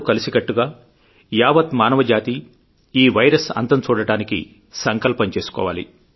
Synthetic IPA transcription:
ukɐlisiɡɐʈːuɡaː | jaːʋɐt̪maːnɐʋɐd͡ʒaːt̪i | iːʋɐjɾɐsɐ̰nt̪ɐnt͡ʃuːɽɐɽaːnikḭ | sɐŋkɐlpɐɲt͡ʃe̞ːsu̥kɔ̰ːʋa̰ːlḭ

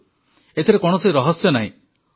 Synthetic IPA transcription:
et̪ʰiɾekɔɽ̃ɔseiɾɔɦɔsjɔnaɦḭ̃

